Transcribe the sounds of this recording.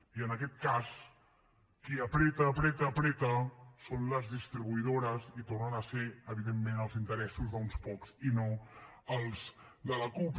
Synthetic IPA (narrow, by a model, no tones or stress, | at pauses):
iənəkɛt̪̚kas | kiəpɾɛt̪əːpɾɛt̪əːpɾɛt̪əsonləzðist̪ɾiβuiðoɾəzit̪ornənəseəβiðemːenəlˠzint̪əɾɛsuzðəunspɔksinoəlˠsd̪ələkup